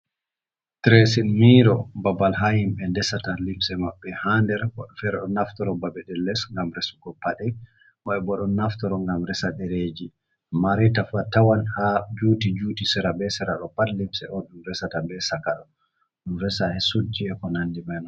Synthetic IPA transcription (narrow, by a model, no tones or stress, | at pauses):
tɾɛsilmiːɾɔbabalɦahimbɛndɛsatalimsɛmaɓːɛhandɛɾwɔ̰ɗɔfɛɾɛɗɔnaftɔɾɔbabɛɗɛlːɛsŋɡamɾɛsuɡɔpaɗɛ | ʔɔɛbɔɗɔnːaftɔɾɔŋɡamɾɛsaɗɛɾed͡ʒi | maɾɛtafatawanhad͡ʒuːtid͡ʒuːtisɛɾabɛsɛɾaɗɔpadlimsɛɔɗunɾɛsatabɛsakaɗɔ | ɗunɾɛsahɛsud͡ʒiɛkɔnandimɛnɔ